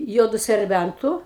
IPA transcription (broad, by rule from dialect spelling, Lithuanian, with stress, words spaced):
ˈjuɔdʊ sʲɛrʲˈbʲæntʊ